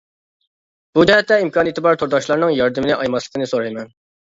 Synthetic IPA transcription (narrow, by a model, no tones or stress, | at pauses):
b̥ud͡ʒɛhæt̪ːɛimkʰɑːnijit̪ɪbɑɾt̪ʰoɾd̪ɑʃlˠɑɾnɨŋjɑɾd̪ɨmɪnɪʔɑjmɑslˠəkɪnɪsoɾɑjmɛn